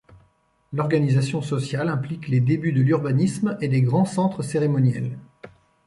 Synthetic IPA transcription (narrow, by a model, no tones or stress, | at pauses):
lɔʁɡanizasjɔ̃sɔsjalɛ̃plikled̪ebyd̪əlyʁbanismed̪eɡʁɑ̃sɑ̃t̪χəseʁemɔnjɛ̰l